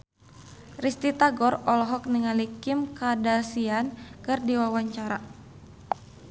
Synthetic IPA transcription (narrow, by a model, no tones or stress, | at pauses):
rist̪it̪aɡɔrɔlɔɦɔk̚niŋalikɪmkadasiankɨrdiwawaɲt͡ʃaɾa